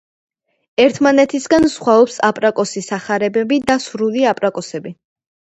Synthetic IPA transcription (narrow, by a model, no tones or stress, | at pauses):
ɛɾt̪ʰmanɛt̪ʰisɡansχwaɔpsapʼɾakʼɔsisaχaɾɛbɛbid̪asɾuliapʼɾakʼɔsɛbi